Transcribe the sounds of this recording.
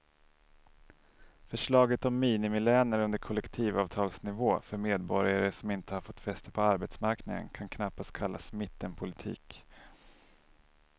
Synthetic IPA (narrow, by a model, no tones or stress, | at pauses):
fœʂɭɑːɡət̪ɔmːiːnɪmɪlɛːnəɾɵnd̪əɾkʰɔlːɛkt̪ʰiːvɑːvt̪ʰɑːlsnɪvoːfœɾmeːd̪bɔɾjaɾəʂɔmɪnt̪əhaɾfɔt̪ːfɛst̪əpʰɔaɾbet̪smaɾknɪŋə̰nkʰankʰnapːast̪̚kʰalːasmɪt̪ːənpʰʊlɪt̪ʰḭːk